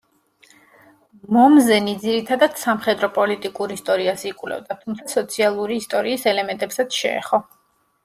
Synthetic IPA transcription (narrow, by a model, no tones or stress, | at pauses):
mɔmzɛnid̪ziɾit̪ʰad̪ad̪̥samχɛd̪ɾɔpʼɔlit̪ʼikʼuɾist̪ʼɔɾiasikʼvlɛ̰vd̪at̪ʰumt̪sʰasɔt̪sʰialˠuɾiːst̪ʼɔɾiːsɛlɛmɛ̃nt̪ʼɛpsat̪sʰʃɛ̰ɛ̰χɔ